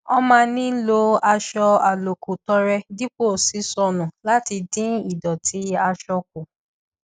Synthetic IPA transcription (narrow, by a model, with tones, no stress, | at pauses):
ɔ˧mãː˦˧nĩ˦lo˧a˧ʃɔ˧a˨lo˨kʰu˨tɔ˧ɾɛ˧di˦k͡po˦˨si˨˦sɔ˧nũ˨la˦ti˧dĩ˦i˦˨dɔ˨tʰi˨˦a˧ʃɔ˧k̚o˨